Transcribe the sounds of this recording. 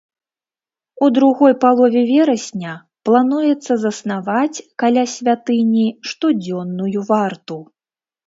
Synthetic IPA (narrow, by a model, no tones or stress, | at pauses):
ud̪ɾuɣɔjpalˠɔvʲɛvʲɛɾɐsʲnʲɐ | plˠanujɛt̪sːɐzɐsnavat͡sʲkalʲasʲvʲat̪ɨnʲiʂt̪ɔd͡zʲɔnːujuvart̪u